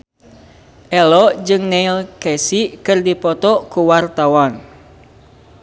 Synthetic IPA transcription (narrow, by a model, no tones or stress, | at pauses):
ʔɛlɔd͡ʒɨŋnɛilkɛsiʔkɨrdipɔt̪ɔkuwart̪awɔn